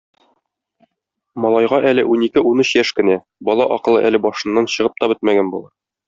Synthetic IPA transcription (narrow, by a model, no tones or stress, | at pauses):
mɒlˠɑjʁɑʔælɘʔunikɘunɤɕjæʃkɘ̆næ | bɒlˠɑʔɒqɤ̆lˠɤ̰ʔælɘbɒʃɤ̆nːɑnɕɤ̆ʁɤp̚t̪ɒbɘt̪mæɡænbulˠɑɾ